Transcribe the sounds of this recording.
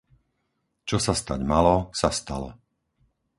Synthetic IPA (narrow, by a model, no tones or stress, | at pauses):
t͡ʃɔsast̪a̰ɟmalɔsast̪alɔ̰